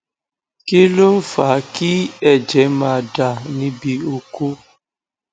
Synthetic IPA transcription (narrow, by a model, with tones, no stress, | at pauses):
ki˦lu˦m̩˦fa˨˦ki˦ɛ˨d͡ʒɛ˨˦mãː˧˨da˨nĩ˦bi˧o˧ku˦